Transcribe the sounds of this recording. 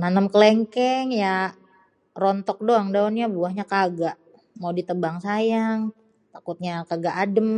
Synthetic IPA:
nanəmkəleŋkɛŋja | rɔnt̪ɔk̚doaŋdaɔnɲabuahɲakaɡaʔ | mawdit̪əbaŋsajaŋ | t̪akut̪̚ɲakaɡaʔadəm

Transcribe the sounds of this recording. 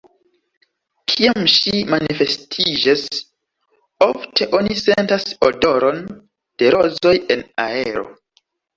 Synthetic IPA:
kʰiamʃimanife̞stʰid͡ʒas | oftʰe̞ʔo̞nisentasodo̞ɾon | d̥e̞ɾo̞zo̞je̞na̰e̞ɾo̞̰

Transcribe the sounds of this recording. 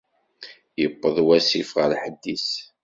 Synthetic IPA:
jəpːəðˤwæsifʁəlħəd̪ːis

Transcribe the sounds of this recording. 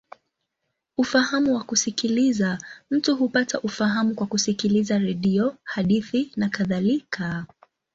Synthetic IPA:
ufahamuwakusikilizam̩tuɦupataʔufaɦamukwakusikilizaɾɛɗiɔhaɗiθinakaðalikʰa

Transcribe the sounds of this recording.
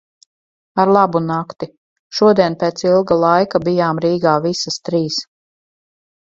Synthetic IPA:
aɾlˠabunakt̪i | ʃuɔd̪iɛnpeːt̪silˠɡalˠajkabijaːmɾiːɡaːvisast̪ɾiːs

